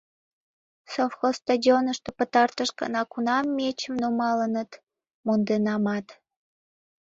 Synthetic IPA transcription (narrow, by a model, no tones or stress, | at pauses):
sofxost̪odʲionəʃt̪opət̪ɑrt̪əʃkɑ̰nɑkunɑmːet͡ɕəmnomɑlənət̪ | mond̪enɑmɑt̪